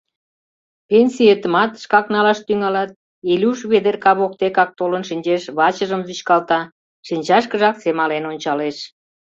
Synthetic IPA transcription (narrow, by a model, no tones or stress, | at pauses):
penʲsʲijet̪əmɑt̪ʃkɑknɑlɑʃt̪yŋɑlɑt̪̚ | elʲuʃβed̪erkɑβok̚t̪ekɑk̚t̪olənʃinʲt͡ɕeʃβɑt͡ɕəʒəmzyɕkɑlt̪ɑ | ʃinʲt͡ɕɑʃkəʒɑksemɑlenonʲt͡ɕɑleʃ